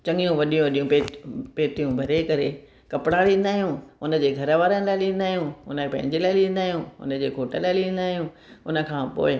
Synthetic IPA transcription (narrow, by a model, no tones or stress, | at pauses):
t͡ɕɐ̃ŋɡijũʋɐɗijũʋɐɗijũpepeːt̪ijũbʱɐɾekɐɾe | kɐpɪɽaːɽĩːnd̪aːijũʊnə̆d͡ʑeːɡʱɐɾəʋaːɾənɪ̃laːɪlĩːnd̪aːɦijũʊ̰npɐ̃ɦɪ̃ɲd͡ʑelaːɪlĩːn̆d̪aːɦijũʊ̰nə̆d͡ʑeːkoːʈəlaːɪlĩə̃n̆d̪aːɦijũ | ʊnə̆kʰãːpo̰ːɪ